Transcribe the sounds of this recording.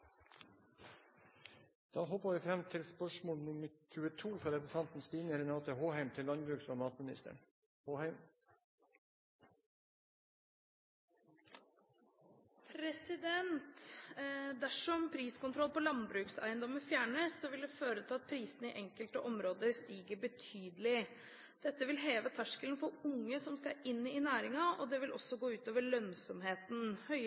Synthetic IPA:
d̪̥ɑːɦɔpəʋɪfɾɛmt̪ʰɪlspœʂmoːlnɪməc͡çʉːət̪ʰuːfɾɑɾɛpʊsʰɑnt̪n̩st̪iːnəɾɛnɑːt̪əhoːhæɪmt̪ʰɪlːɑnbɾʉːksɔmɑːt̪mɪnɪ̰st̪ə̰ɳ | hoːhæɪm | pʰɾɛsɪd̪ɛnt̪ | d̪æʂɔmpʰɾiːskʊnt̪ʰɾɔlːpɔlɑnbɾʉːksæ̰ɪənd̪ɔmːəfjæːɳəsːɔʋɪld̪ɛføːɾət̪ʰɪlɑt̪̚pʰɾiːsənəɪʔɛŋkəlt̪əʔɔmɾoːd̪əɾst̪iːɡəbət̪ʰyːd̪əlɪ | d̪̥ɛt̪ːəʋɪlɦeːʋət̪ʰæʂkəlnfɔɾʊŋːəsɔmskɑɪnːɪnæːɾɪŋɑɔd̪ɛʋɪlʔɔsːɔɡoːʉːt̪oːʋəɭœnsɔmɦeːt̪n̩hœʏ

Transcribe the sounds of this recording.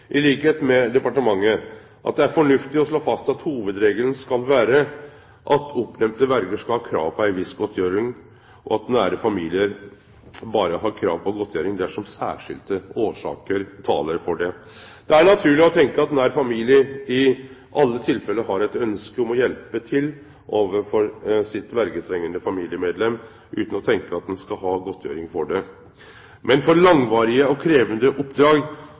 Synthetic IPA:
ʔɪliːkəheːt̪mɛd̪ɛpɑʈəmɑŋːə | ʔɑt̪̚d̪ɛæɾfɔɳʉft̪ɪɔʂɭoːfɑst̪ɑt̪huːʋəd̪ɾeːɡələn̩skɑlʋæːɾə | ʔɑt̪ɔpːnɛmpt̪əʋæɾɡəʂkɑlhɑːkʰɾɑ̰ːʋpʰɔæɪʋɪsɡɔt̪ʰjøːɾɪŋ | ʔɔɑt̪næːɾəfɑmiːlɪəɾ | bɑːɾəɦɑːkʰɾɑ̰ːʋpʰɔɡɔt̪ʰjøːɾɪŋd̪æʂɔmsæ̰ːʂɪ̰ld̪əoːʂɑ̰ːkəɾt̪ʰɑ̰ːləɾfɔɖɛ | d̪̥ɛæɳɑt̪ʰʉːlɪɔt̪ʰɛŋkəɑt̪̚d̪ɛnæɾfɑmiːlɪəɪʔɑlːət̪ʰɪlfɛlːəɦɑɾɛt̪œnskəɔmɔjɛlpət̪ʰɪl | ʔoːʋəfɔɾsɪt̪ʋæɾɡət̪ʰɾɛŋːənəfɑmiːlɪəmeːd̪lɛmː | ʔʉ̰ːt̪ən̩ɔt̪ʰɛŋkəɑt̪̚d̪ɛnskɑɦɑːɡɔt̪ʰːjø̰ːɾɪŋfɔɖɛ | mɛnfɔɾlɑŋʋɑːɾɪəɔkʰɾeːʋənd̪əʔʊpd̪ɾɑːɡ

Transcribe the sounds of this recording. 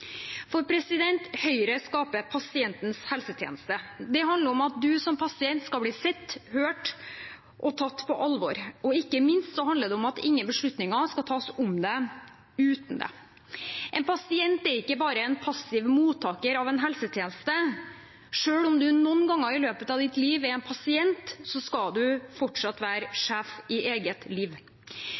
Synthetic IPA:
fɔɾpʰɾɛsɪd̪ɛnt̪hœʏɾəskɑːpəpʰɑsɪɛnt̪n̩shɛlsət̪ʰjḛːnəst̪əd̪ɛɦɑnd̪əɾɔmɑt̪̚d̪ʉsɔmpʰɑsɪɛnt̪skɑbliːsɛt̪ːhøːʈ | ʔɔt̪ʰɑt̪ːpʰɔʔɑlʋɔɾɔɪkːəmɪnst̪sɔɦɑnd̪əɖ̪ɛɔmɑt̪ɪ̰ŋːənbəʂɭʉt̪nɪŋɑskɑt̪ʰɑːsʊmd̪ɛ | ʉːt̪n̩d̪ɛ̰ | ʔɛnpʰɑsɪɛnt̪ɛɾɪkːəbɑːɾəɛnpʰɑsɪʋmuːt̪ʰːɑːkəɾɑʋɛnɦɛlsət̪ʰjeːnəst̪ə | ʂøːɽɔmd̪ʉnɔnːɡɑŋːəɾɪløːpət̪ɑʋd̪ɪt̪liːʋɛɾɛnpʰɑsɪɛnt̪sɔskɑd̪ʉfɔʈʂɑt̪ːʋæːɾʂæːfɪʔeːɡət̪liːʋ

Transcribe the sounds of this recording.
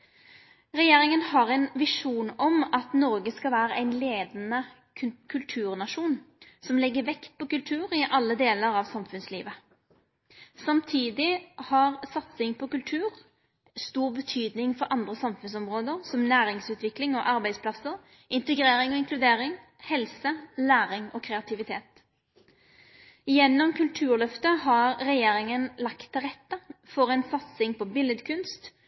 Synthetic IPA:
ʁɛjeːɾɪŋənhɑʁæɪnʋɪʂuːnɔmɑt̪nɔʁɡəskɑlʋæːɾəʔæɪnleːd̪n̩ə | kʰʉlt̪ʰʉːʁnɑʂuːnsɔmlɛɡːəʋɛkt̪̚pʰɔkʉlt̪ʰʉːʁɪʔɑlːəd̪eːləɾɑʋsɑmfʉnslḭːʋə | sɑmt̪ʰiːd̪ɪhɑʁsɑt̪sɪŋpʰɔkʉlt̪ʰʉːʁ | st̪uːʁbət̪ʰyːd̪nɪŋfɔʁʔɑnd̪ʁəsɑmfʉnsɔmʁoːd̪əʁsɔmnæːɾɪŋsʉːt̪ʋɪklɪŋɔʔɑʁbæɪspʰlɑsəʁ | ʔɪnt̪əɡʁeːɾɪŋɔːɪnŋklʉd̪eːʁɪŋ | hɛlsəlæːʁɪŋɔːkʰʁɛɑt̪ʰɪʋɪt̪ʰeːt̪ | jɛnːɔmkʰʉlt̪ʰʉːʁlœft̪əhɑʁʁɛjeːʁɪŋənlɑkt̪ʰːɪlʁɛt̪ːəfɔʁɛnsɑt̪sɪŋpʰɔbɪləd̪kʰʉnst̪

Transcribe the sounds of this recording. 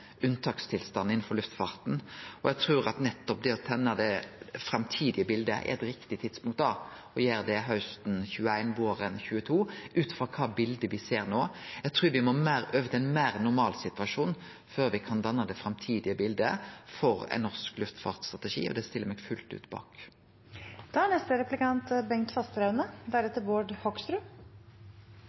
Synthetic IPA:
ʉnt̪ʰɑːkst̪ʰɪlst̪ɑnːɪn̩fɔɾlʉft̪fɑːɾt̪n̩ɔjæɡt̪ʰɾuːɾɑt̪nɛt̪ːɔp̚d̪ɛɔt̪ʰɛnːəd̪ɛfɾɑmt̪ʰiːd̪ɪəbɪld̪ə̰ʔɛ̰ɾɛt̪ɾɪkt̪ɪt̪ʰɪd̪spʊŋkt̪ɑ | ɔjeːɾd̪ɛɦœst̪n̩çʉːəæɪnʋoːɾɛnçʉːət̪ʰuːʉːt̪fɔkʰɑːbɪld̪əʋɪseːɾnoːjæɡ̚t̪ʰɾʉːɾʋɪmɔmæːɾøːʋət̪ʰɪɛnmæʁnʊɾmɑːlsɪt̪ʋɑʂuːn | føːɾʋɪkʰɑnd̪ɑnːəd̪ɛfɾɑmt̪ʰiːd̪ɪəbɪld̪əfɔɾɛ̰nɔsklʉft̪fɑ̰ʁt̪st̪ɾʁɑt̪ɛʂḭːɔ̰d̪ɛst̪ɪlːəɾmɛːɡfʉ̰lt̪ʉ̰ːt̪bɑ̰ːk | d̪̥ɑːænɛst̪əɾɛplɪkɑnt̪bɛŋkt̪fɑst̪ɾɑʉnəd̪æɾɛt̪əɾboːɖhɔkst̪ɾʉː

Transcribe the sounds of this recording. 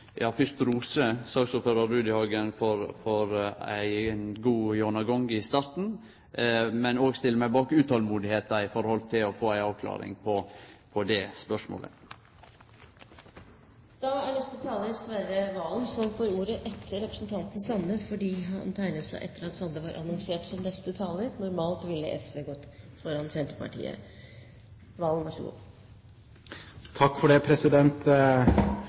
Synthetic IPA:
jɑːfʏɾt̪ɾuːsəsɑɡsʊføːɾɑːʉːd̪əhɑɡənfɔɾfɔɾæ̰ɪnɡuːjɔnɑɡɔŋɪst̪ɑɾt̪n̩ | mɛnoːɡst̪ɪləmæɪbɑːkʉːt̪hɔlmuːd̪ɪheːt̪ɑɪfɔɾəhɔlt̪ʰɪlɔfoːæɪɑːʋkʰlɑ̰ːɾɪ̰ŋpʰɔpʰɔd̪ɛspœʂmo̰ːlə̰ | d̪̥ɑːæɳɛst̪ət̪ʰɑːləɾsʋæɾəʋɑːlnsɔnfoːɾuːɾəʔɛt̪ʰːəɾɛpɾəsnt̪ʰɑnt̪n̩sɑnːəfɔɖiːɦɑ̰nt̪ʰæɪnət̪sæɪʔɛt̪ːəɾɑt̪sɑnd̪əʋɑːɾʔɑ̰nɔŋseːʈsɔnnɛst̪ət̪ʰɑːləɾnʊɾmɑːlt̪ʋɪlːə̰ʔɛ̰sʋeːɡɔt̪ːfɔɾɑnsɛnt̪ɾəpʰɑ̰ʈḭːə̰ | ʋɑːlnʋɑʂəɡṵːd̪ | t̪ʰɑkːfɔɖɛːpʰɾɛsɪd̪ɛnt̪

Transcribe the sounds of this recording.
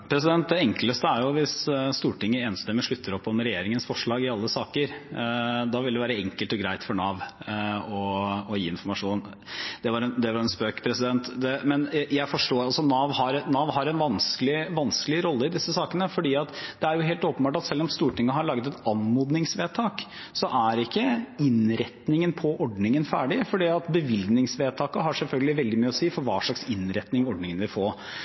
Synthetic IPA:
pʰɾɛs̬ɪd̪ɛnt̪̚d̪ɛɛŋkləst̪əæɾjʊʋɪssːt̪uːʈɪŋːəeːnst̪ɛmːəʂɭʉt̪ʰːəɾɔpːɔmɾɛjeːɾɪŋənsfɔʂɭɑːɡɪɑlːəsɑːkəɾ | d̪ɑːʋɪld̪ɛʋæːɾəɛŋkəlt̪ɔɡɾæɪt̪fɔɳɑːʋ | ɔɔjiːɪnfɔɾmɑʂuːn | d̪̥ɛʋɑɾɛnd̪ɛʋɑɾɛnspøːkpʰɾɛsɪd̪ɛnt̪d̪ɛmɛnjæɪfɔʂʈoːɑlsɔnɑːʋhɑɾnɑːʋɦɑɾɛnʋɑnskəlɪʋɑnskəlɪɾɔlːəɪd̪ɪsːəsɑːkənəfɔɖiːɑt̪d̪̥ɛæɾjʊɦeːlt̪oːpənbɑːʈɑt̪sɛlːɔmst̪uːʈɪŋːəhɑɭɑːɡət̪ɛt̪ɑnmuːd̪nɪŋsʋeːt̪ʰɑːk | sɔʔæɾɪkːəɪnɾɛt̪nɪŋənpʰɔʔɔɖnɪŋənfæːɖɪfɔɖiːɑt̪bəʋɪlɡnɪŋsʋeːt̪ʰɑːkəɦɑʂɛlfœlɡəlɪʋɛld̪ɪmyːəɔsiːfɔɾʋɑːʂɭɑksɪnɾɛt̪nɪŋɔɖnɪŋənʋɪfoːɾ

